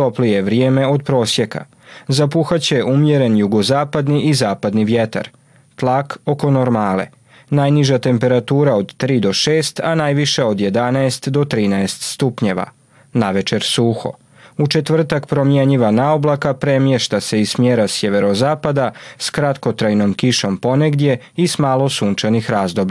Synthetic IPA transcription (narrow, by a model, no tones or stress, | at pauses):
t̪o̞plije̞ʋɾijeːme̞o̞d̪̚pɾo̞ːsje̞ka̰ | zapuxat͡ɕejeʔumjeɾe̞njuɡo̞zaːpad̪niʔizaːpad̪niʋjet̪a̰ɾ | t̪lˠako̞ko̞noɾmaːlḛ | najniʒat̪e̞mpe̞ɾat̪uːɾao̞d̪t̪ɾiːd̪o̞ʃe̞ːst̪anajʋiʃeo̞d̪je̞d̪anaest̪d̪o̞t̪ɾiːnaest̪st̪upɲeʋa̰ | naʋe̞t͡ʃe̞ɾsuxo̞̰ | ut͡ʃe̞t̪ʋr̩t̪akpɾo̞mjeɲiʋanaoblakapɾe̞mjeʃt̪ase̞ismjeɾasje̞ʋe̞ɾo̞zaːpad̪askɾat̪ko̞t̪ɾajno̞mkiʃo̞mpo̞neɡd̪je̞ | ismaːlo̞suːnt͡ʃanixɾaːzd̪o̞bʎ